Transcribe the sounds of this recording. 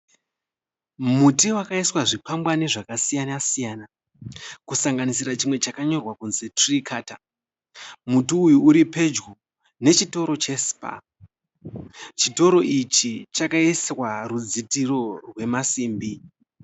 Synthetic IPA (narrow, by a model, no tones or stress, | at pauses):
mutiwakaiswaʐipambwane̞ʐakasijanasijaːna | kusaŋɡanisirat͡ʃimwe̞t͡ʃakaɲo̞rwakunzetrikʰaːta̰ | mutiːjuuɾipe̞d͡ʒɡo | ne̞t͡ʃito̞ɾo̞t͡ʃe̞spa̰ | t͡ʃito̞ɾo̞ʔit͡ʃit͡ʃakaiswarud͡zitiro̞rwe̞masiːmbi